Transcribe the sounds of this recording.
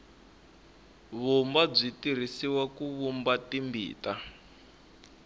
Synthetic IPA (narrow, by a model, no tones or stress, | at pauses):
βumbab͡ʐitiɾ̤isiwakuβumbatimbḭːta